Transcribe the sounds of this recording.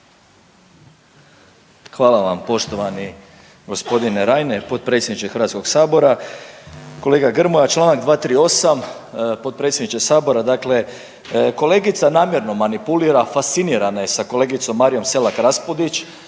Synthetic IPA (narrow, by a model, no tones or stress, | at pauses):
xʋaːlaʋampo̞ʃt̪o̞ʋani | ɡo̞spo̞d̪ineɾajne̞po̞t̪̚pɾe̞tsjed̪nit͡ʃ̪exɾrɾʋat̪sko̞ksaːbo̞ɾa | ko̞le̞ːɡaɡr̩mojat͡ʃlˠaːnaɡd̪ʋaːt̪ɾiːo̞sam | po̞t̪̚pɾet̪sʲjd̪nit͡ʃ̪esaːbo̞ɾad̪akle | ko̞le̞ːɡit̪sanaːmjeɾno̞manipuliɾafast̪siniɾanajesako̞le̞ːɡit̪so̞mːaːɾijo̞mse̞lakɾaspod̪it͡ʃ